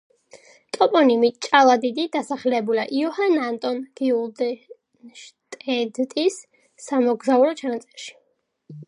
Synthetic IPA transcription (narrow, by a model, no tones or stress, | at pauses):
t̪ʼɔpʼɔnimit͡ʃʼalˠad̪id̪id̪asaχlɛbulaʔiɔhanant̪ʼɔnɡ̥iulˠd̪ɛ | ʃt̪ʼɛd̪t̪ʼisː | amɔɡzauɾɔt͡ʃʰanat̪sʼɛɾʃi̥